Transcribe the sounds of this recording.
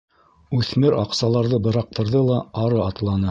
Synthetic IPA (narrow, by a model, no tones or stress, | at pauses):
ʉθmɘɾɑqsɑlˠɑɾðɤbɤ̆ɾɑq̚t̪ɤ̆ɾðɤlˠɑɑɾɤɑt̪lˠɑnɤ